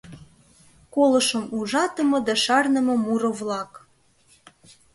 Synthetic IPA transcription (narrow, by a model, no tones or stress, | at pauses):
kolɤ̆ʃə̆muʒɑt̪ɤ̆mɤ̆d̪ɑʃɑrnə̆mɤ̆muɾɤ̆βlɑk